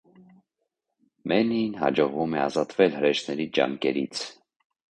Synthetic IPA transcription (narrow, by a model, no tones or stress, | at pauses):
mɛninɦɑ̰d͡ʒɔʁvumɛɑzɑt̪vɛlɦəɾɛʃnɛɾid͡ʒɑ̰ŋkɛɾḭt͡sʰ